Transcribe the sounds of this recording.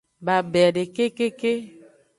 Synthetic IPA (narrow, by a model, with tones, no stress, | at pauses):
ba˨bɛ˨ɖe˨ke˦ke˦ke˦